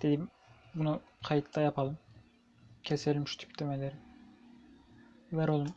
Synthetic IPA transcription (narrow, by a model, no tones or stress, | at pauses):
d̪̥ed̪im | bunu | qʰɑjɯt̪ʰd̪ɑjɑpʰɑlˠɯm | cʲʰeselʲmiʃt̪ʰy̥pʲd̪̥emɛlʲɛɾ | væɾolˠum